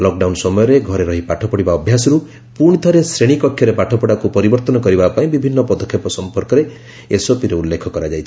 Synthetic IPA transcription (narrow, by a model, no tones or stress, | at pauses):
lɔk̚ɖawnsɔmɔjɔɾeɡʱɔɾeɾɔɦipaʈʰɔpɔɽibaɔbʱjasɔɾu | puɽ̃it̪ʰɔɾesɾeɽ̃ikɔkʰːjɔɾepaʈʰɔpɔɽakupɔɾibɔɾt̪ɔnɔkɔɾibapaĩbibʱinːɔpɔd̪ɔkʰːjepɔsɔmpɔɾkɔɾe | esopiɾeulːekʰɔkɔɾad͡ʒajt͡ʃʰi